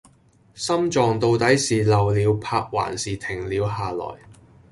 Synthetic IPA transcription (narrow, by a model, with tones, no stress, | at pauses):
sɐ˥mt͡ʃɔː˨˩ŋt̪o˧wt̪ɐ˨˥jsiː˨lɐ˨˩wliː˨˧wpʰaː˧k̚wa̰ː˨˩nsiː˨t̪ʰɪ˨˩ŋliː˨˧wɦaː˨lɔ̰ː˨˩j